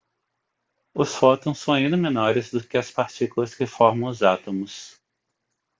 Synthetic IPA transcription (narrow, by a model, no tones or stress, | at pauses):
ʊsfɔt̪õsːɐ̃w̃ĩnd̪ʊmenɔɾɪzd̪ʊkɪɐspaɾt͡ʃikulɐshefɔɾmɐ̃w̃ʊzat̪õmʊs